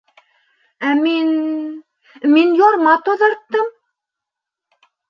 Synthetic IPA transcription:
æmin | minjoɾmɑt̪ŏðɤ̆ɾt̪ːɤm

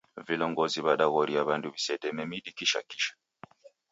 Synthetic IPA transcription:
vilɔŋɡɔziβaɗaɣɔɾiaβanduβisɛdɛmɛmiɗikiʃa̰ki̥ʃḁ

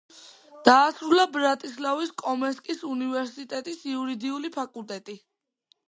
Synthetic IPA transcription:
d̪̥aːsɾulˠabɾat̪ʼislaviskʼɔmɛskʼisunivɛɾsit̪ʼɛt̪ʼisiuɾid̪iulipʰakʼulˠt̪ʼɛt̪ʼi

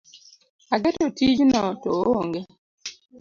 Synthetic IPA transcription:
aɡetotid͡ʒnɔtooŋɡe

